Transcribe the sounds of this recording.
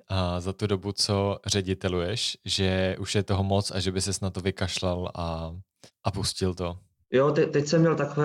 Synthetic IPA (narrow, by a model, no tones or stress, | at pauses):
azat̪udo̞but͡so̞r̝ɛɟɪt̪ɛlujɛʃʒɛʔuʃjɛt̪oɦomot͡sa̰ʒɛbɪsɛsnat̪ːovɪkaʃlalʔa | ʔapuscɪlt̪o | jot̪ɛt̪ɛcsɛmɲɛlt̪akovɛ